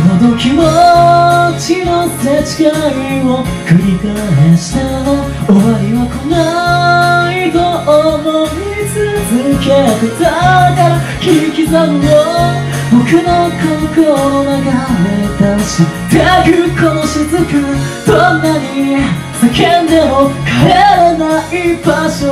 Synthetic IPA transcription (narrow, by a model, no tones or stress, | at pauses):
not̪okʲimo | t͡ɕinoset͡ɕi̥kaimokɯ̟ɾʲikaeɕi̥t̪ano | oβaɾiβakona | id̪oʔomoɾit͡sɨzɨket̪et̪ak̪a | kʲikʲizanjo | bokɯnokʰokoonaɡamet̪aɕit̪ekɯkʰoɕizɨkɯd̪̥onːaɲi | akend̪emokʰaɾeɾanaibaɕo